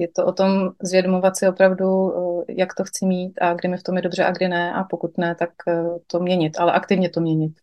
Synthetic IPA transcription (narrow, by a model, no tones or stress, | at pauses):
jɛt̪oʔo̞t̪o̞mzvjɛdomovat̪sɪopɾavdujakt̪oxt͡sɪmiːt̪ʔaɡdɪmɪft̪o̞mjɛdo̞br̝ɛʔaɡdɪnɛʔapo̞kut̪nɛt̪akt̪omɲɛɲɪt̪ʔalɛʔakt̪ɪvɲɛt̪o̞mɲɛɲɪt̪̚